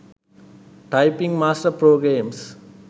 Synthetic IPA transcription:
ʈajpiŋmaːsʈəpɾoːɡɾeːms

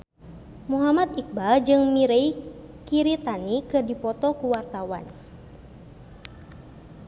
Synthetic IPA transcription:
muɦamat̪ik̚bad͡ʒɨŋmiɾei | kiɾit̪anikɨrdipɔt̪ɔkuwart̪awa̰n

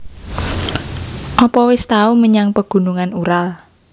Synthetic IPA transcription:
ʔɔpɔwɪst̪auməɲaŋpəɡ̥ṳnuŋanuɾal

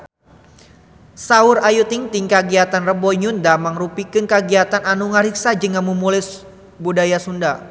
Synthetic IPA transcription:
saʊrajut̪ɪŋt̪iŋkaɡiat̪anrəbɔɲundamaŋrupikɨnkaɡiat̪ananuŋaɾiksad͡ʒəŋanmumulɛs | budajasunda

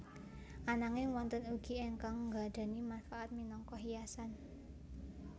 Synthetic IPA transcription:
ʔanaŋɪŋwɔnt̪ənuɡ̥ieŋkaŋŋɡa̤d̪̥a̤nimanfaʔat̪̚minɔŋkɔɦijasan

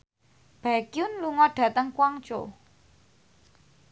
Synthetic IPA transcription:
b̥akiʊnluŋɔɖ̥ä̤t̪əŋkwaŋt͡ʃo̰

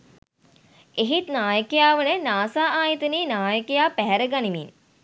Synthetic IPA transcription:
eɦit̪naːjəkejaːʋənənaːsaːaːjət̪əniːnaːjəkejaːpæɦɛɾəɡanimḭn

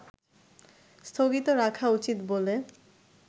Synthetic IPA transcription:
st̪ʰoɡit̪oɾakʰaut͡ɕit̪bole

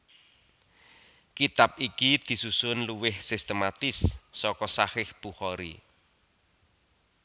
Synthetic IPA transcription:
kit̪ap̚ikid̪̥i̤susʊnluwɪhsist̪əmat̪ɪsːɔkɔsahɪhb̥uhɔɾḭ

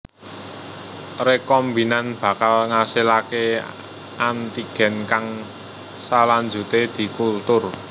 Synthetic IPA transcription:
rekɔmbinanb̥ä̤kalŋasilake | ant̪iɡ̥ɛ̤nkaŋ | salaɲd͡ʒṳt̪ed̪̥i̤kult̪ʊr

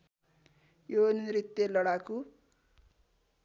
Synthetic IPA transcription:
joniɾit̪jelʌɽaku

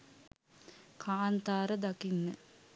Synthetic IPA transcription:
kʰaːnt̪aːɾəd̪akinːə

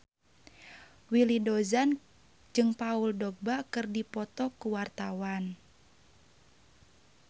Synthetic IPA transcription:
wilidɔzan | d͡ʒɨŋpauldɔɡ̚bakɨrdipɔt̪ɔkuwart̪awan

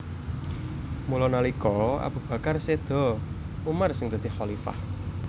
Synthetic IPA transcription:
mulɔnalikɔa̰b̥ṳb̥ä̤karsed̪̥ɔ̤ | umarsɪŋd̪̥a̤d̪̥i̤hxɔlifa̰h

